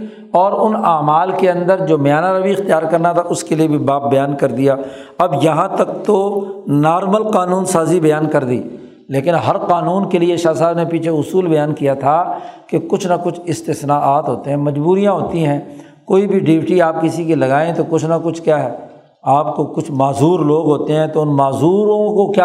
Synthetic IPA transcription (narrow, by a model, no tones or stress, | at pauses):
ɔːɾʊnaːmaːlkeɐ̃nd̪əɾd͡ʒoːmɐjaːnaɾabʱiɪxt̪ijaːɾkɐɾnat̪ʰaʔʊskeliebʱibaːp̚bɐjaːnkɐɾd̪ijaː | ɐbjɐɦãt̪ɐk̚t̪onaːɾməlqaːnuːnsaːzibɐjaːnkɐɾd̪ḭː | leːkɪnɦɐɾqaːnuːnkelieʃaːsaːbnepiːt͡ʃʰeʊsuːlbɐjaːnkijat̪ʰakekʊt͡ʃʰnakʊt͡ʃʰɪst̪ɪsnaʔaːt̪ɦoːt̪eɦɛ̃mɐd͡ʒbuːɾijãɦoːt̪iɦɛ̃ː | koːibʱiɖɪːʋɪʈiaːp̚kɪsikilɐɡaːẽt̪okʊt͡ʃʰnakʊt͡ʃʰkjaːɦɛː | aːpkokʊt͡ʃʰmaːzuːɾloːɡɦoːt̪eɦɛ̃ːt̪oʊnmaːzuːɾõkokja